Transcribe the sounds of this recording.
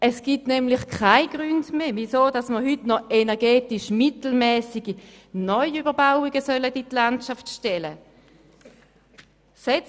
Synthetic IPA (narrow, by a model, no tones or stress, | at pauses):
ɛsɡ̥itnɛmlɪχkʰaɪɡ̥ʁyndmeːvisoːdɑsməɦytnɔenɛʁɡɛːtiʃmitl̩mɛːsiɡ̥i | nɔʏybəʁbaʊiɡəsœləditlantʃaftʃtɛlə | sɛt͡s